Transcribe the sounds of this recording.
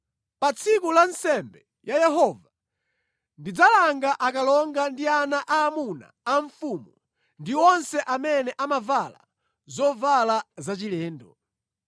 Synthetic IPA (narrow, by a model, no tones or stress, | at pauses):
pat͡sʰikulansɛmbɛ | jajɛɦɔva | ndid͡zalaŋɡaʔakalɔŋɡandianaʔaːmuna̰ːɱfumu | ndiɔnsɛʔamɛnɛʔamavala̰ | zɔvalazat͡ʃilɛːndɔ